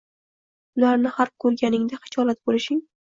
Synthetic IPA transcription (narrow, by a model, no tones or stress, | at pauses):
ʊlaɾnɪhaɾp̚kʰɵɾɡʲanɪŋd̪aχɪ̥kʲʰɒlat̪̚bolɪʃɪŋ